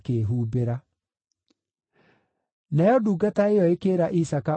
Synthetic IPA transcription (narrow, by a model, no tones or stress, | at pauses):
keːɦuːbeɾa | najɔduːɡataejɔekeɾaʔisaka